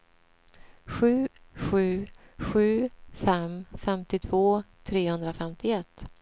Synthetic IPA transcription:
ɧʉ̟ːɧʉ̟ːɧʉ̟ːfɛmfɛmt̪ɪt̪ʰv̥oːt̪ʰɾeːhɵnd̪ɾafɛmt̪ʰɪɛt̪ː

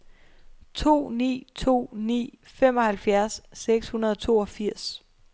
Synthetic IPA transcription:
t͡sʰo̝̰ːnḭːt͡sʰo̝̰ːnḭː | fem̰ɒ̽hælfjæɐsːeɡ̥shunɐðˠɒt͡sʰo̝̰ːɒ̽fiɐ̰s

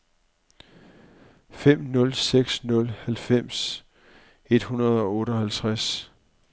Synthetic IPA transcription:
fem̰nɔ̽lseɡ̥snɔ̽lhælfem̰s | e̝d̥hunɐð̞̩ˠɒ̽ɔ̽ːɾ̥əɒ̽hælt͡sʰʁas

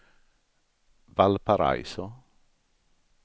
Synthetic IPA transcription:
valpaɾa̰jso

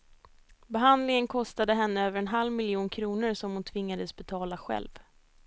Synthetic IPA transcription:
bɛɦand̪lɪŋənkʰɔst̪ad̪əɦɛnːəøːvəɾɛnɦalvmɪljuːnkʰɾuːnʊɾsɔmhʊnt̪ʰvɪŋːad̪əsbɛt̪ʰɑːlaɧɛ̰lv

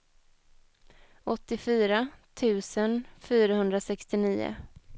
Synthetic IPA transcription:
ɔt̪ːɪfyːɾat̪ʰʉ̟ːsənfyːɾaɦɵnd̪ɾasɛkst̪ɪniːʊ̰

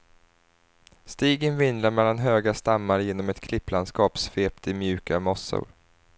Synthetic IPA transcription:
st̪iːɡənvɪnd̪ɾaɾmɛlːanɦøːɡast̪amːaɾjeːnɔmɛt̪kʰlɪpːlanskɑːpsfeːpt̪ʰɪmjʉ̟ːkamɔsːʊ̰ɾ

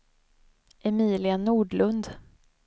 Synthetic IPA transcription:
ʔɛmiːlɪanuːɖɭɵnd̪

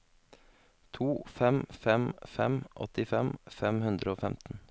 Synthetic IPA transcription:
t̪ʰuːfɛmfɛmfɛmʔɔ̰t̪ɪfɛmfɛmhʉnd̪ɾəoːfɛmt̪n̩

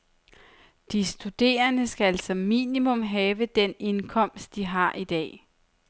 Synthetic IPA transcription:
d̥isd̥ud̥e̝̰ːɐnəsɡ̥ææl̰sɒ̽mːḭːnimɔ̽mɦɛːʋəd̥ene̝nkʰɒ̽m̰sd̥̚d̥iɦɑ̈ʔid̥ɛ̰ː

